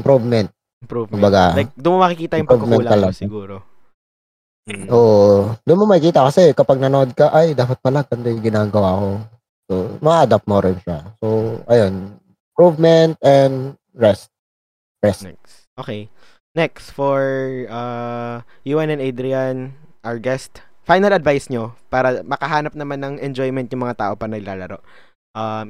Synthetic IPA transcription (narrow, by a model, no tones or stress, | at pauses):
ɪmpɾuvmɛnt̪̚ | mpɾuvkʊbɐɡajk̚d̪ʊnmɐmɐkɪkiːt̪ɐjmʊpɾuvmɛnlːɐlɐɡsɡuːɾo | ʔoːʔd̪ʊnmomɐɪkiːt̪ɐkɐsɛkɐpaɡ̚nɐnod̪̚kɐʔajd̪aːpɐt̪̚pɐlaɡɐnd̪ojɡɪnaːɡɐwaːɐko̞ | somɐaad̪ap̚moɾɪnʃasoʔɐjon | ɪmpɹuvmɛnt̪̚ɛnd̪ | ɹɛst̪̚ | ɹɛsnɛks | ʔoːkej | nɛksfoɹʔa | juːʔɛnɛnad̪ɾɪanʔaɹɡɛst̪fajnɐlɐd̪vajsɲopaːɾɐmɐkɐɦaːnɐp̚nɐmanːɐŋɛnd͡ʒojmɛnt̪jʊŋmɐŋat̪a̰ːʔo̞paɾɐnɐɡɪlaːlɐɾo̞ʔ | ʔam